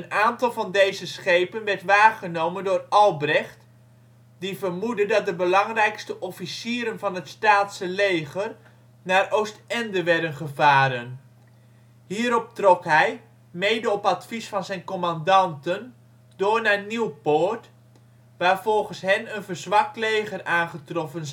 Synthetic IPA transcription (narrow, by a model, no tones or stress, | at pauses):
ənaːntɑlˠvɑndejzəsχejpənʋɛɹtʋaːχənowməndʊːrʔɑlˠbrɛχt | divərmudədɑt̚dəbəlɑŋrɛjkstəʔɔfisiːɾənvɑnɦətstaːtsəlejχər | naːrʔowstɛndəʋɛɹdənχəvaːɾən | hiːəɾɔp̚trɔkɦɛj | meːdəɔpatfisfɑnzɛjnkɔmandɑntən | doːɹnaːniwpoːɹt | ʋaːɹv̥ɔlˠχənsɦɛnənvərzʋɑk̚tleːχəraːnχətrɔfən